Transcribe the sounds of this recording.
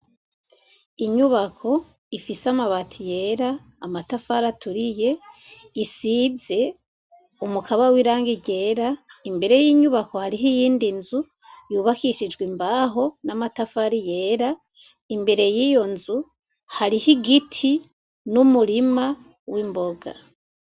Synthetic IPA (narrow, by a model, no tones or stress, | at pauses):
iɲuβakʰo̞ | ifisamaβatʰije̞ːɾaː | matafaɾatʰuɾije̞ | isize̞ | umukʰaβawiɾaːŋɡiɟe̞ːɾaimbe̞ɾe̞jiːɲuβako̞haɾiɦijiːndinzu | juβakiʃid͡ʒɡwimbaːɦo̞namatafaɾije̞ːɾa | imbe̞ɾe̞jiːjo̞nzu | haɾihiɡitʰi | numuɾima | wimbo̞ɡa̰